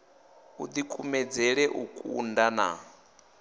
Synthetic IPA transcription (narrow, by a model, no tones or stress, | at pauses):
ṵd̪ikʰʼumɛd͡zɛɺɛʔukʼṵndana̰